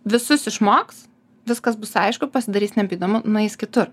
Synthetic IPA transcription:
ʋʲɪsʊsɪʃmoːks | ʋʲɪskɐsbʊsɐɪʃkʊpɐsʲɪd̪ɐɾʲiːsnʲɛpʲiːd̪oːmʊnʊɛɪskʲɪt̪ʊɾ

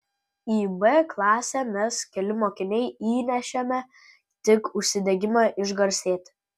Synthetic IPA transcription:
iːbɛklˠɑːsʲɛmʲɛskʲɛlʲɪmoːkʲɪnʲɛɪiːnʲɛʃʲɛmʲɛ | t̪ʲɪkʊʃʲsʲɪd̪ʲɛɡʲɪmɑʔɪʒɡɐɾʲsʲeːt̪ʲ

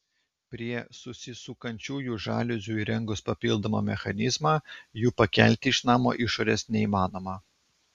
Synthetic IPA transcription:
pʲɾʲiɛsʊsʲɪsuːkɐnʲt͡ʃʲuːjuːʒɑ̰ːlʲʊzʲuːiɾʲɛŋɡʊspɐpʲɪlˠd̪oːmo̰ːmʲɛxɐnʲɪzmɑːjuːpɐkʲæˑlʲt̪ʲɪːʃnɑːmo̰ːʔɪʃoːɾʲɛːsnʲɛiːmɑːnoːmɑː

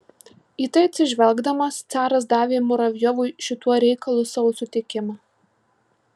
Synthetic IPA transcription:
iːt̪ɐɪɐt̪ʲsʲɪʒʲʋʲɛlˠɡd̪ɐmɐst̪sʲæːɾɐs̬d̪ɑːʋʲeːmɔɾɐʋʲjɔʋʊɪʃʲɪt̪uɔɾʲɛɪkɐlˠʊːsɑʋosʊt̪ʲɪkʲɪmɑː

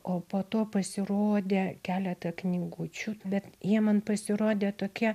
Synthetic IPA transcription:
oːpoːt̪oːpɐsʲɪroːd̪ʲeːkʲæːlʲɛt̪ɐknʲiɡʊt͡ʃʲubʲɛt̪jiɛmɐnpɐsʲɪɾoːd̪ʲeːt̪oːkʲiɛ

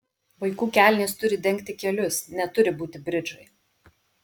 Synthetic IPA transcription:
ʋɐɪkuːkʲæːˑlʲnʲeːst̪ʊɾʲɪd̪ʲɛŋʲk̚ʲt̪ʲɪkʲɛlʲʊsnʲɛt̪ʊɾʲɪbuːt̪ʲɪbʲɾʲɪd͡ʒʊɪ

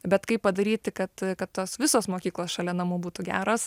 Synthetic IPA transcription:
bʲɛt̪kɐɪpːɐd̪ɐɾʲiːt̪ʲɪkɐt̪kɐt̪t̪ːoːsʋʲɪsoːsmoːkʲiːklˠoːsʃɐlʲɛnɐmuːbuːt̪ʊɡʲæ̰ːɾoːs

